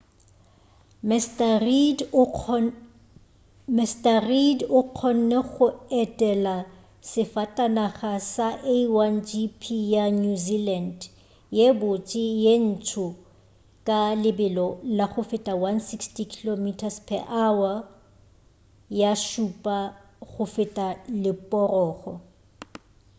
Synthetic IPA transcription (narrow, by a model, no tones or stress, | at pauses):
m | mɛstaridʊq͡χʰɔn̩nɛχʊɛtʼɛla | sɪfatʼanaχasaʔeiwand͡ʒipʰijanuziland | jebʊt͡ʃʼɪjen̩tʰʊ | kʼalɪbɪlɔlaχʊfɪtʼawansikstikʰilomitʰaspʰɛ̰ʔawa | jaʃupʼa | ɣʊfɪtʼalɪpʼɔrɔːχɔ